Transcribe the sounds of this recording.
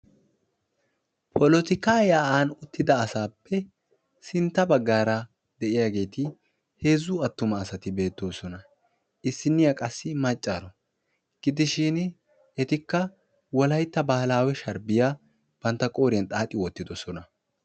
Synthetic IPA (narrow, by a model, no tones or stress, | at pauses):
pʰɔlɔt̪ɪkaːjaːʔaːnʊt̪ːɪd̪ɐːsaːpːɛ | sɪnt̪ːɐbɐɡːaːɾɐ | d̪ɛʔɪjaːɡe̞ːt̪ɪ | he̞ːzːuɐt̪ːʊmɐːsɐt̪ɪbe̞ːt̪ːoːsɔnɐ | ɪsːɪnːɪjɐkʼɐsːɪmɐt͡ʃʼːaːɾɔ | ɡ̥ɪd̪ɪʃɪn | ɛt̪ɪkːɐ | wɔlɐjt̪ːɐbahɐlaːwɛʃɐɾbɪja | b̥ɐnt̪ːɐkʼo̞ːɾɪjɐnt̪ʼaːt̪ʼːɪwɔt̪ːɪd̪ɔsɔnɐ